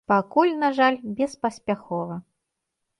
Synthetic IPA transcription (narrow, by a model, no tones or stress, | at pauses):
pakulʲnaʐalʲbʲɛspɐsʲpʲaxɔvɐ